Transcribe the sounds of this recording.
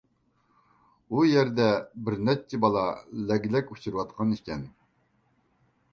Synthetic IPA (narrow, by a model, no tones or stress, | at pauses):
ujɛɾd̪ɛbɪɾnɛt͡ʃʰːɪbɑlˠɑlɛɡʲlɛkʲu̥t͡ʃʰuɾɨwɑt̪̚qʰɑnikʲɛn